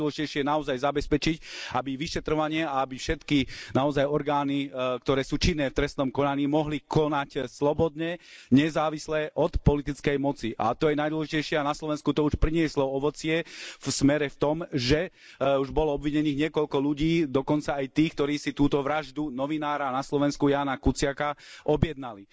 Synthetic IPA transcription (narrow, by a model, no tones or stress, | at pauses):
wɔlɛʒicɛjʃɪɛnaɔzajzabɛspɛt͡ʃicabiʋiʃɛt̪ɾɔʋaɲɪɛaabifʃɛt̪kinaɔzajɔɾɡaːnikt̪ɔɾɛːsuːt͡ʃinːɛːft̪ɾɛst̪nɔmkɔnaɲiːmɔɦlikʰɔnacslɔbɔd̪ɲɛɲɛzaːʋislɛːʔɔt̪pɔlit̪it͡skɛjmɔt͡siʔa̰t̪ɔjɛnajd̪wɔlɛʒicɛjʃɪɛanaslɔʋɛnskut̪ɔuʃpɾiɲɪɛslɔɔʋɔt͡sɪɛfsmɛɾɛft̪ɔmʒɛ | uʒbɔlɔɔbʋiɲɛniːɣɲɪɛkɔlkɔluɟiːd̪ɔkɔnt͡saːjt̪iːxkt̪ɔɾiːsit̪uːt̪ɔʋɾaʒd̪unɔʋinaːɾanaslɔʋɛnskujaːnakut͡sɪakaʔɔbjɛd̪̚nali